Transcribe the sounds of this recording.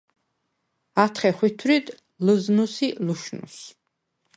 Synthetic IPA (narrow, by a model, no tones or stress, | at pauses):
at̪ʰχɛχwit̪ʰwɾid̪ | ləznusiluʃnṵs